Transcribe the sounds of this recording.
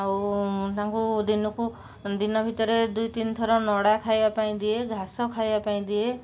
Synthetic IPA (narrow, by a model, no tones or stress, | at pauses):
awt̪aãŋkud̪inɔku | d̪inɔbʱit̪ɔɾed̪ujt̪int̪ʰɔɾɔnɔɽakʰajbapaĩd̪ieɡʱasɔkʰajbapaĩd̪ie